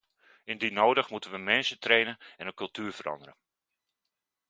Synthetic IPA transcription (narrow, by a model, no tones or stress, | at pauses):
ɪndinoːdəχmutənʋənmɛnsətrejnənɛnənkɵlˠtyːrvəɾɑ̰ndəɾə̰